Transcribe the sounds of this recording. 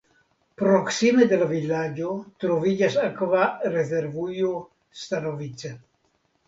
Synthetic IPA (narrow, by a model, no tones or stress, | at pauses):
pɾoksimed̪elavilːad͡ʒot̪ɾovid͡ʒasakvarezeɾvujo | st̪anovit͡se